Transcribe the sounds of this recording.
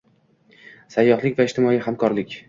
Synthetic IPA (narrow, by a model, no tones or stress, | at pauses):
sajːɒhlˠɪkʲvaɪʃt̪ʰɪmɒihamkʰɒɾlɪkʲ